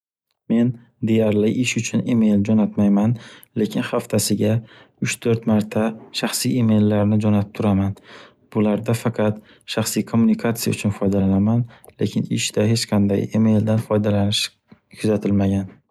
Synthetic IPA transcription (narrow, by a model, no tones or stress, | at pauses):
me̞n | d̪e̞jaɾlɪʔɪʃʊt͡ʃʰʊnime̞jld͡ʒɒnat̪majmanle̞kʲʰɪnχaft̪ʰasɪɡʲa | ʊt͡ʃt̪ʰɵɾt̪maɾt̪ʰaʃaχsijime̞jlːaɾnɪd͡ʒɒnap̚t̪ʰʊɾaman | b̥ʊlaɾd̪afɑqʰɑt̪ | ʃaχsijkʰomːunɪkʰat̪sija̰ʊt͡ʃʰʊnfɒjd̪alanamanle̞̰kʲʰɪnɪʃd̪ahe̞t͡ʃqʰɑnd̪a̰jime̞jld̪anfɒjd̪alanɪʃ | kʰʊzat̪ʰɪlmaɡʲan